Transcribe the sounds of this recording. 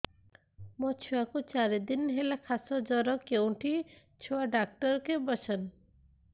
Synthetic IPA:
mɔt͡ʃʰuakut͡ʃaɾed̪inɦelakʰasɔd͡ʒɔɾɔkewʈʰi | t͡ʃʰoaɖak̚ʈɔɾkebɔsʰɔn

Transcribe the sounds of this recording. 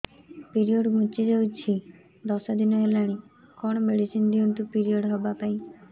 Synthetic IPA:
piɾioɖmut͡ʃid͡ʒawt͡ʃʰi | d̪ɔsad̪inɔelaɽ̃ikɔɽ̃ɔmeɽisind̪iɔnt̪upiɾioɽɦɔbapaĩ

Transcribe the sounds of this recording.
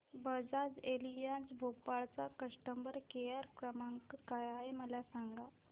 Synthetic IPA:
bəd͡zad͡zelijat͡sbʱopaɭt͡sakəʂʈəmbəɾkejaɾkɾəmaŋkkajaeməlasaŋɡa

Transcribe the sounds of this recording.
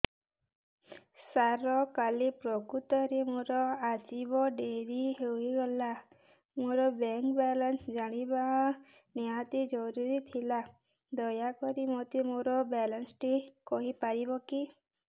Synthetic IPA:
saɾɔkalipɾɔkut̪ɔɾemoɾɔad͡ʒibɔɖeɾiɦewiɡɔla | moɾɔbɛŋkbɛlɔnsd͡ʒaɽ̃ibaɔ̃ | niɦat̪id͡ʒɔɾuɾit̪ʰila | d̪ɔjakɔɾimɔt̪imoɾɔbɛlɔnsʈikɔɦipaɾibɔki

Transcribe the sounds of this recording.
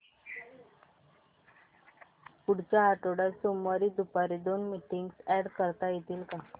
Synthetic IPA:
puɽt͡ɕaːʈoɽaɾsomaɾid̪upaɾid̪oːnmiʈiŋɡsɛɖkəɾt̪ajit̪ilka

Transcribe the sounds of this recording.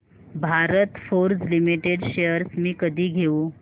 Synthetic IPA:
bʱaɾət̪foɾd͡zlimiʈeɖɕejəɾsmiːkəd̪ʱiːɡʱeuː

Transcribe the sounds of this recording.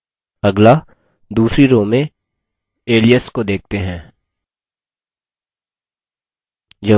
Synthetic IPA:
ɐɡla | d̪uːsɾiɾõːmẽ | eːlijəskod̪eːk̚t̪eɦɛ̃ː | d͡ʒɐ

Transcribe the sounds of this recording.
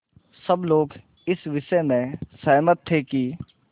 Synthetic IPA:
sɐbloːɡ | ɪsʋɪʃəmẽsɐɦmət̪ʰːeki

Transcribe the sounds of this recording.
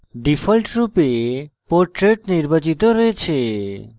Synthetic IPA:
ɖifʰɔlʈɾupepoɾʈɾeʈniɾbat͡ɕit̪oɾɔet͡ɕʰe

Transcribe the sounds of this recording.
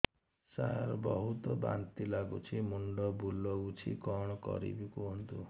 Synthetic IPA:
sa̰aɾbɔɦut̪ɔba̰nt̪ilaɡut͡ʃʰimuɳɖɔbulɔut͡ʃʰikɔɽ̃ɔkɔ̰ɾḭbikuɦɔnt̪u

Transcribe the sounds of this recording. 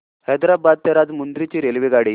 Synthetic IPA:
hɛd̪ɾabad̪̚t̪ɛɾad̪mund̪ɾit͡ɕiːɾelʋiɡaɽiː

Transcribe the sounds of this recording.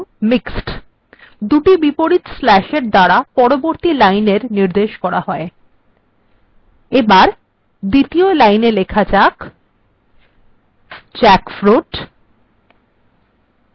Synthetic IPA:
miksʈ | d̪uʈibipoɾit̪slɛʃeɾd̪aɾapɔɾoboɾt̪ilajneɾniɾd̪eʃkɔɾaɦɔe | ebaɾ | d̪it̪iolajnelekʰat͡ɕak | t͡ɕɛkfɾuʈ

